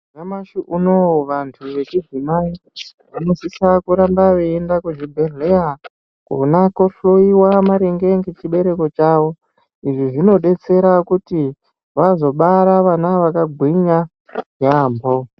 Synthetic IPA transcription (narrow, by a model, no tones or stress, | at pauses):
namaʃuʔunowʋantʰuʋe̞t͡ʃizimai | ʋanosisakuɾambaʋeendakuʐibʱeɮeja | ko̰nakoɬoiwamaɾeŋɡe̞ŋɡe̞t͡ʃiɓe̞ɾe̞ko̞t͡ʃaːwo̞ | iʐiʐino̞ɗe̞t͡se̞ɾakuti | ʋazo̞ɓaɾaʋanaʋakaɡʱwiɲa | jaːmbo̞